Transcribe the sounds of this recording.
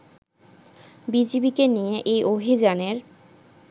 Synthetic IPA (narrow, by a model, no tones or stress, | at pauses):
bid͡ʑibikenijeʔejʔobʱid͡ʑaneɾ